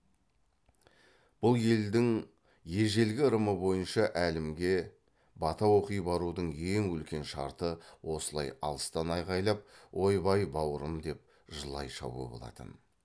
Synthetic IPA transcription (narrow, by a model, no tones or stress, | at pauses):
b̥ʊlˠje̞ld̪ɪŋ | je̞ʒe̞lɡʲɪɾəməbo̞jənʃɑʔælɪmɡʲe̞ | bɑt̪ɑwo̞qijbɑɾud̪əɴe̞ŋwʏlkʲe̞nʃɑɾt̪əwo̞səlˠɑ̰jɑ̰lˠəst̪ɑnɑjʁɑjlˠɑp̚wʔo̞jbɑjbɑwəɾəmd̪e̞p̚ | ʒəlˠɑ̰jʃɑ̰bṵə̰bo̞̰lˠɑ̰t̪ə̰n